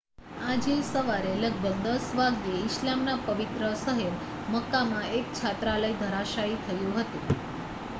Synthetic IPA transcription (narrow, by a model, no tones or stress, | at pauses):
ad͡ʒesəʋaɾeləɡ̚bʱəɡ̚d̪əsʋaɡjeɪʃlamnapəʋit̪ɾəsəɦeb | məkːamãek̚t͡ʃʰat̪ɾaləid̪ʱəɾaʃait̪ʰəjũɦət̪ũ